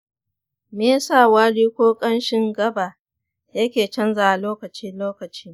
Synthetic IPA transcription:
meː˦saː˦˨waː˦ɽiː˦kʷoː˦kʼɐ˦nʃɪ˦ŋɡɐ˦ba˨ | jɐ˦kʲeː˨t͡ʃɐ˦nzaː˨a˨loː˦kɐ˨t͡ʃiː˦loː˦kɐ˨t͡ʃiː˦

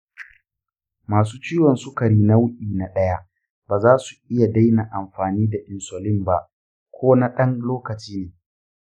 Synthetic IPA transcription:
maː˨s̬uː˦t͡ʃiː˦wɔ˨nsʊ˦kɐ˨ɽiː˦na˦wʊ˦ʔʲiː˨na˨ɗɐ˦ja˦ʔ | b̥aː˨zaː˦su˨ʔɪ˦ja˨da˦jna˨ʔa˨mɸaː˨niː˦da˨ʔɪ˨nsɔ˨lɪ˦mba˦ʔ | kʷʰoː˦na˦ɗɐ˦nloː˦kɐ˨t͡ʃiː˦neː˨

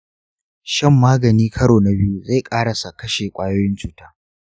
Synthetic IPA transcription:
ʃɐ˦˨mːaː˦ɡɐ˨niː˦kʰɐ˦ɽoː˨na˨bɪ˦ju˦za˦˨jkʼaː˦ɽa˨sa˨kɐ˦ʃe˨kʷʼaː˦joː˦jɪ˦nt͡ʃuː˦taː˦

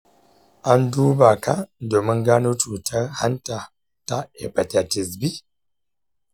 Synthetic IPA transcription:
a˦n˦du˦ba˨ka˦˨do˨mə˦ŋ˦ɡa˦nu˦tu˨ta˦ha˦nta˨ | ta˦ḛ˨pa˨ta˨ti˨s̬bi˦

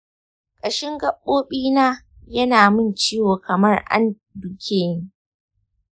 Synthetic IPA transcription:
kʼɐ˨ʃɪ˦ŋɡɐ˦ɓːoː˦ɓiː˦naː˦ | jɐ˦naː˨mɪ˦nt͡ʃiː˦woː˨kɐ˨mɐ˦rʔa̰˦n | dʊ˨kʲʰeː˦ni˦

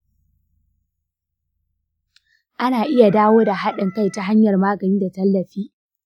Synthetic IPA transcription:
ʔa˦naː˨ʔɪ˦ja˨daː˦woː˦da˨ha˦ɗɐ˨ŋka˦jta˦ɦa˦ɲjɐ˨rmaː˦ɡɐ˨niː˦da˨tɐ˦lːɐ˨ɸiː˦

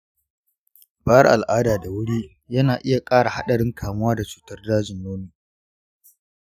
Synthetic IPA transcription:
baː˦ɐ˦rʔa̰˨lʔaː˦daː˨da˨wʊ˦ɽiː˦ | jɐ˦naː˨ʔɪ˦ja˨kʼaː˦ɽa˨ha˦ɗɐ˨ɽɪ˦ŋkʰaː˨mʊ˦waː˦da˨t͡ʃu̥ː˨tɐ˦rdaː˦d͡ʒɪ˨nːoː˦miː˨

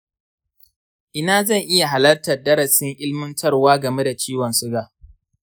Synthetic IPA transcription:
ʔɪ˦naː˦zɐ˦˨ŋʔɪ˦ja˨ɦa˨lɐ˦rtɐ˨rdɐ˦ɾɐ˨sɪ˦ŋʔɪ˦lmɪ˦ntʰɐ˦rwaː˦ɡɐ˨me˦da˨t͡ʃiː˦wɐ˨nsʊ˦ɡaː˨

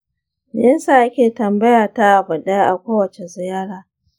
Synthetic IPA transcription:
ɛ˦nsa˨ʔa˦kʲeː˨tɐ˨mbɐ˦ja˨ta˦ʔa˨bɐ˨ɗa˦jʔa̰˨kʷoː˦wɐ˨t͡ʃe˨zɪ˨jaː˦ɽaː˦

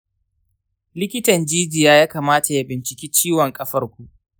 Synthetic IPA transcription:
lɪ˦kʲɪ˦tɐ˨nd͡ʒiː˦d͡ʒɪ˨jaː˦jaː˦kaː˨maː˦ta˨ja˦bɪ˨nt͡ʃɪ˨kʲiː˦t͡ʃiː˦wɔ˨ŋkʼɐ˦ɸɐ˦rkʷu˨ʔ

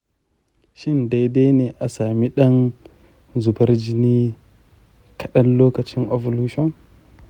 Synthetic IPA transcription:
ʃi˦˨nda˨jde˦ne˨ʔa˨sa˨mi˦ɗa˦n | zu˨ba˦ɾd͡ʒi˦ni˦ | kʰa˨ɗa˦nlo˦ka˨t͡ʃi˦no˨vo˨lu˦ʃo˦n

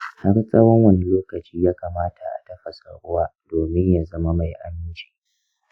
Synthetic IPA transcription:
ha˦rsʼɐ˦wɔ˦ŋwɐ˦˨ni˦loː˦kɐ˨t͡ʃiː˦jaː˦kaː˨maː˦tʰa̰˨ʔa̰˨tɐ˦ɸa˨sa̰˨ɽʊ˦waː˦doː˨mɪ˦ɲja˨zɐ˦ma˦ma˨jʔa˦mɪ˦nt͡ʃi̥ː˦

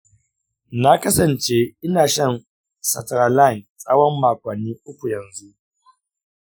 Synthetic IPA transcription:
na˦kɐ˦sɐ˨nt͡ʃe˦ɪ˦naː˨ʃɐ˦˨n | sɐ̰˨tɾaː˨la˦˨nt͡sʼa˦wɔ˦mːaː˨kʷɐ˨nːiː˦ʔʊ˦kʷu˨jɐ˨nzu˦ʔ

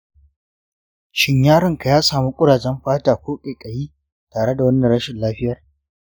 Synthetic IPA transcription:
ʃɪ˦ɲjaː˦ɽɪ˨ŋka˨jaː˦saː˨mu˦kʷʼʊ˦ɽaː˨d͡ʒɛ˦mɸaː˦taː˨kʷoː˦kʲʼeː˨kʼɐ˨jiː˦ | taː˨ɽe˦da˨wɐ˦nːɐ˨ɽɐ˦ʃɪ˨nlaː˦ɸɪ˦jɐ˨r

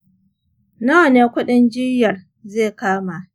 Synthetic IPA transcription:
na˦wɐ˨neː˦kʷʊ˦ɗɪ˦nd͡ʒɪ˦jɐ˨r | zeː˦˨kaː˦ma˨

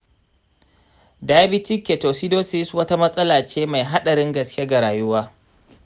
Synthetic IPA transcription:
da˨ja˦bɪ˦t͡ʃɪ˦kʲːe˨ta˨wsi˦doː˦se˦ji˦su˨wɐ˦ta˦mɐ˦sʼɐ˦laː˨t͡ʃeː˦ma˨jɦa˦ɗɐ˨ɾɪ˦ŋɡɐ˨skʲe˦ɡa˨ɾaː˨jʊ˦waː˦

